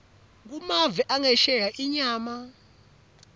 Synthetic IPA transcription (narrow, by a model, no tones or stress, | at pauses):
k̬umavɛʔaŋɛʃɛjaʔiɲaːma